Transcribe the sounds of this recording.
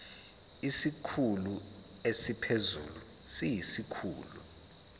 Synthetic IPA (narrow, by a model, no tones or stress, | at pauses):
isikʰulu | esipʰezṵːlu | sijisikʰṵːlṵ